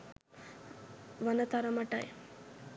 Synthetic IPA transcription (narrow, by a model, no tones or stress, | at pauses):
ʋanət̪aɾəmɐʈa̰j